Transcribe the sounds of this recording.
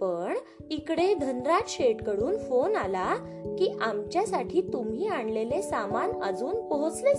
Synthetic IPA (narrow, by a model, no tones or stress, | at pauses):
pəɳ | ikɽed̪ʱənɾat̪ɕeʈkəɽuːnfonala | kiːʔamt͡ɕjasaʈʰiːt̪umɦiːaɳlelesamanə̰d͡zuːnpɔɦot͡sle